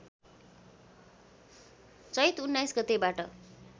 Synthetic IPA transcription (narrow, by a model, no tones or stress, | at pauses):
t͡sʌjt̪unːajsɡʌt̪ebaʈʌ